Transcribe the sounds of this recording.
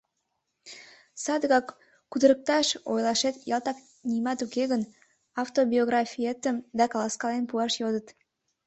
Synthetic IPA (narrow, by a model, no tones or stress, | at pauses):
sɑd̪əɣɑkː | ud̪əɾək̚t̪ɑʃo̰jlɑʃet̪jɑlˠt̪ɑk | nimɑt̪ukeɣən | ɑwt̪obʲioɣrɑfʲijet̪əmd̪ɑkɑlɑskɑlenpuɑʃjod̪ət̪